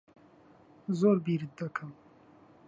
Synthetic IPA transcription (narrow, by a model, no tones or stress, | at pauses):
zoːɾbiːɾɨt̪̚d̪ɨkʰɨm